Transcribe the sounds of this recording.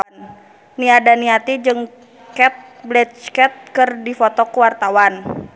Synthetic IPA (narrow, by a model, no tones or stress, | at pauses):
n | niadaniat̪id͡ʒɨŋ | kɛt̪̚blɛt͡ʃkɛt̪̚kɨrdifɔt̪ɔkuwart̪awan